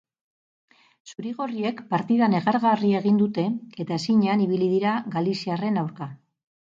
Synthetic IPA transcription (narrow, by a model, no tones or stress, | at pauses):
suɾiɣ̞o̞rie̞kpaɾt̪iðane̞ɣaɾɣarie̞ɣ̞ind̪ut̪e̞et̪aesiɲeaniβ̞iliðiɾaɣalisiare̞nawɾka